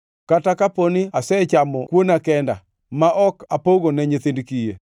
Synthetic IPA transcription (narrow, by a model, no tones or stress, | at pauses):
katakaponiasɛt͡ʃamɔkwonakɛnda̰ | maʔɔkapoɡonɛɲet̪endkije